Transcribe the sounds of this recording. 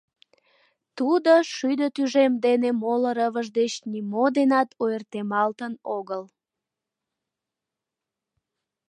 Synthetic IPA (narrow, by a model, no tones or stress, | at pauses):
t̪ud̪oʃyd̪ət̪yʒemd̪enemoləɾəβəʒd̪et͡ɕnimod̪enɑt̪ʰojərt̪emɑlt̪ənoɣəl